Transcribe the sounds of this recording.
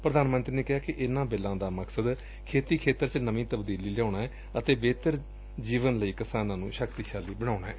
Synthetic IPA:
pɾəd̪aːnmə̃nt̪ɾiːneːkɪɦaːkɪʔɪnãːbɪlãːd̪aːməksəd̪ | kʰeːt̪iːkʰeːt̪əɾt͡ʃnəmĩːt̪əbd̪iːliːljaːɳaːɛː | ət̪eːbeːt̪əɾ | d͡ʒiːʋənləiːkɪsaːnãːnṵ̃ːʃəkt̪iːʃaːlːiːbəɽ̃aːnaːɦɛ̰ː

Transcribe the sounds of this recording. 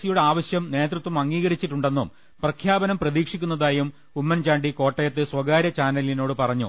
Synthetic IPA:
sijuɽeaːʋɐɕjɐmne̞ːd̪rɐt̪ʋɐmɐŋːiːɣɐɾit͡ɕːiʈːuɳɖe̞nːṵm | prɐkʰjaːbɐnɐmprɐðiːkʂikʲːunːɐðaːjum | umːɐnt͡ɕaːɳɖiko̞ːʈːɐjɐt̪ːɨsʋɐɡaːɾjɐt͡ɕaːnɐlino̞ːɽɨpɐrɐɲːṵ

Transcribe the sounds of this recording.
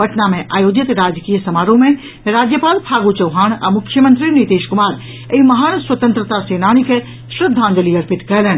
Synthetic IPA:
bɐʈnamẽʔaːjoːd͡ʒɪt̪ɾaːd͡ʒkiːjəsɐmaːɾõmẽ | ɾaːd͡ʒjəpaːlpʰaːɡut͡ʃɐwɦaːña̰mʊkʰːjəmə̃nt̪ɾinit̪eːʃkʊmaːɾ | eimɐɦaːnswət̪ə̃nt̪ɾət̪aseːnaːɽ̃ike | ʃɾɪd̪ʱːãːnd͡ʒəliɐɾpɪt̪kɛɦlɛn

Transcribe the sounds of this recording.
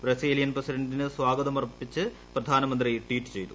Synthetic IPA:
brɐsiːlijɐnprɐsidɐɳɖinɨswaːɡɐd̪ɐmɐrɐpːit͡ɕːɨ | prɐd̪ʱaːnɐmɐnd̪rijʈwiːʈːɨ̥t͡ɕe̞jt̪u̥

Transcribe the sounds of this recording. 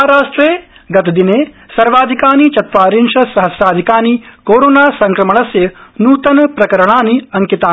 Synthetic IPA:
ɦaɾaːʂʈɾeː | ɡɐt̪ɐd̪ineː | sɐɾʋaːd̪ʱikaːnit͡ʃɐt̪ʋaːɾinʂɐsɐɦɐsjaːd̪ʱikaːnikoːɾoːnaːsɐŋkɾɐmɐɳɐsjɐnuːt̪ɐnɐpɾɐkɐɾɐɳ̃aːniɐŋkit̪aː

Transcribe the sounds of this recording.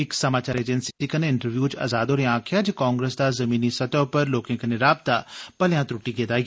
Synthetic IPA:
ɪksɐmaːt͡ʃaːɾeːd͡ʒənsi̥tikɐneɪ̃ɳʈəɾʋjuːt͡ʃɐ̰zaːd̪oːɾeãːkʰjad͡ʒkãːŋɡɾesd̪azɐmiːnisɐt̪opɐɾloːkẽkɐneɾaːb̚t̪apɐljãt̪ɾʊʈːiɡeːd̪aːi

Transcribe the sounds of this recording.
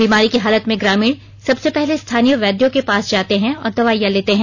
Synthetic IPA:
biːmaːɾikiɦaːlət̪mẽɡɾaːmiːɽ | sɐbsepɛɦlest̪ʰaːnijəʋɛːd̪jõkepaːsd͡ʒaːt̪eɦɛ̃ɔ̰ːɾd̪ɐʋaːjːãleːt̪eɦɛ̃

